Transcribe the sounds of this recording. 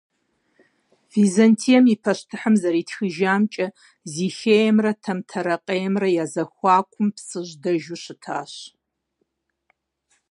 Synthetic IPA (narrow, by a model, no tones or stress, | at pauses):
vizɐntʰijɐmipʰɐɕtʰɨħəmzɐɾiːtxɨʒaːmt͡ʃʼɐ | zixeːjɛmrɐtʰɐmtʰɐɾɐqʼejɛmrɐjaːzɐxʷɑːkʷʰʊmpsɨʒdɐʒʊɕɨtʰaːɕ